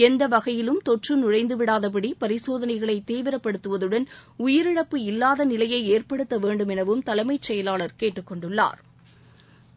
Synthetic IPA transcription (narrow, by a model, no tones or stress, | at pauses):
ɛnd̪ɐʋɐɣɐjɪlɯmt̪ɔʈrɯnʊɻɐɪnd̪ɯʋɪɽaːðɐp̬ɐɽipɐɾɪsoːðɐnɐɪɣɐɭɐɪt̪ːiːʋɪɾɐpːɐɽɯt̪ːɯʋɐðɯɽɐnʊjɪɾɪɽɐpːɯɪlːaːðɐnɪlɐjɐɪeːɾpɐɽɯt̪ːɐʋeːɳɖɯmɛnɐʋɯmt̪ɐlɐmɐɪt͡ʃːɛjɐlaːɭɐɾkeːʈːɯkːɔɳɖɯɭːa̰ːɾ